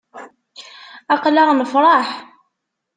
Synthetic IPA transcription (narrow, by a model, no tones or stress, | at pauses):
ɑqlɑɾnəfɾˤɑħ